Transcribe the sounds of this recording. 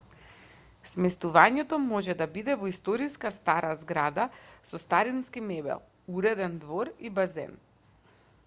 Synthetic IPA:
smɛst̪uvaɲɛt̪ɔmɔʒɛd̪abid̪ɛvɔist̪ɔɾiskast̪aɾʔazɡɾad̪asɔst̪aɾinskimɛbɛ̰lˠ | uɾɛd̪ɛnd̪vɔɾibazɛ̰n

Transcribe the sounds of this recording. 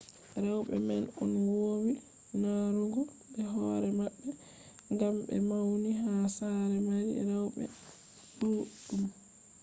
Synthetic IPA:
ɾawɓɛ̰mɛnɔnwoːwi | naɾuɡɔ | ɓɛɦɔɾɛmaɓːɛ | ŋɡamɓɛ̰mawniɦaːsaɾɛmaɾḭɾawɓɛ̰ | duɗum

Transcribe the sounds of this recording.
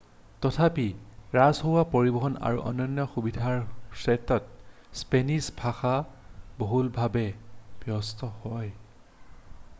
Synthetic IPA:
tɔtʰapiɹazɦowapoɹibɔɦɔna̰ɹṵʔɔ̰nɔnːɔxubidʱaɹsɛtɔt̚ | spenisbʱaxaboɦulbʱabɛb̥jɔstɔhɔj

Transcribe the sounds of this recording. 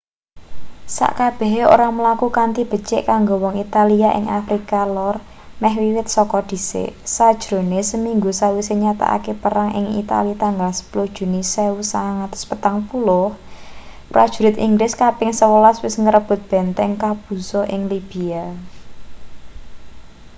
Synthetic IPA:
sa̰ʔkab̥ɛ̤ɦo̰ɾaməlakukant̪ib̥ə̤t͡ʃɪʔkaŋɡowɔŋit̪aliaʔɪ̰ŋafɾikalɔr | mɛhwiwɪt̪̚sɔkɔd̪̥i̤sḛsad̥ʒ̥ɾo̤nesəmiŋɡusawiseɲat̪a̰ʔa̰kepəɾaŋʔɪ̰ŋḭt̪a̰lit̪aŋɡalsə̥pulʊhd̥ʒ̥ṳniseusaŋat̪ɔ̥spət̪aŋpulʊh | pɾḁʒ̥uɾɪt̪ʔiŋɡɾɪskapɪŋsəwəlaswɪsŋəɾəb̥ʊ̤t̪̚b̥ɛ̤nt̪ɛŋkab̥ṳsɔʔɪŋlib̥ia

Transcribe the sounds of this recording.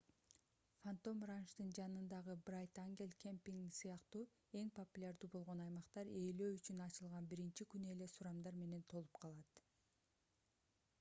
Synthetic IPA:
fant̪o̞mranʃd̪ɯnd͡ʒɑnɯnd̪ɑʁɯbrajt̪aŋɡʲelʲkʲʰempʲiŋɡsɯjɑqt̪uː | e̞ŋpʰo̞pulʲaɾd̪uːbo̞lˠʁo̞nɑjmɑqt̪ɑɾeːlø̞ːyt͡ʃynɑt͡ʃɯlˠʁɑnbiɾint͡ʃikyne̞le̞suɾɑmd̪ɑɾme̞ne̞nt̪ʰo̞lˠupqʰɑlˠɑt̪

